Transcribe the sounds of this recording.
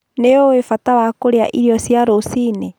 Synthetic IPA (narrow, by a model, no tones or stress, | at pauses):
neoefatawakoɾea̰ʔiɾiɔsjaɾosine